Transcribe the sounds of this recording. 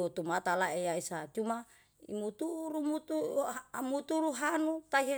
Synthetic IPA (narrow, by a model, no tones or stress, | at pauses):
ut̪umat̪alaejaisat͡ʃuma | ḭmut̪uɾumut̪uamut̪uɾuɦanut̪aiɦe